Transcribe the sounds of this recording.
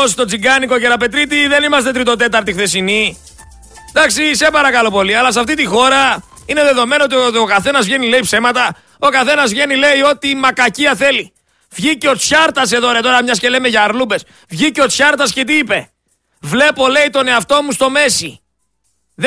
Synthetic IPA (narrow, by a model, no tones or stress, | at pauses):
ost̪o̞t͡siɡɐniko̞ceɾɐpe̞t̪ɾit̪iðe̞nimɐst̪e̞t̪ɾit̪o̞t̪e̞t̪ɐɾt̪ixθesini | d̪ɐksise̞pɐɾɐkɐlo̞po̞liɐlɐsɐft̪it̪ixo̞ɾɐ | ine̞ðe̞ðome̞noot̪̬ookɐθe̞nɐzvʝe̞nile̞ipse̞mɐt̪ɐ | o̞kɐθenɐzvʝe̞nile̞io̞t̪imɐkɐciɐθe̞li | vʝiceo̞t͡sçɐɾt̪ɐs̬e̞ðoɾet̪o̞ɾɐmɲɐscelemeʝɐːɾlube̞s | vʝiceo̞t͡sçɐɾt̪ɐscet̪̬iipe̞ | vle̞po̞le̞it̪o̞ne̞ɐft̪o̞must̪o̞me̞si | ð